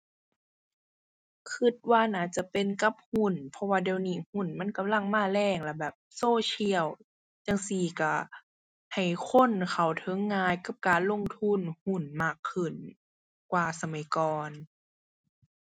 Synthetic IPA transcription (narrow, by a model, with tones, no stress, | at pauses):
kʰɯ˧˩t̪̚waː˧˨naː˧˩t͡ɕa˧˩pe˨nka˧˦p̚hu˧˥˨npʰɔ˧waː˧di˧wniː˧˩hu˧˩nma˧˥˨nka˧˨mla˧˩˨ŋmaː˧˩˨lɛː˧˩˨ŋla˧˩bɛː˨˩p̚soː˧˨t͡ɕʰi˧əw | t͡ɕaː˧ŋsiː˧˩ka˧˩ | ha˨˩jkʰo˧˥˨nkʰa˨˩wt̪ʰɤ˧˦ŋːaː˧˥˨jka˧˦p̚kaː˨nlo˧˥˨ŋt̪ʰu˧˥˨nhu˧˩˨nmaː˧˩kʰːɯ˧˩n | kwaː˧˩sa˧ma˨˩˦jkɔː˨˩n